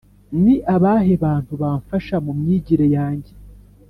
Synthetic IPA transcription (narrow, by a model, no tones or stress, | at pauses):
niʔaβaːɦe̞βaːn̥tuβaːɱfaʃamumɲiːɟiɾejaːɲɟe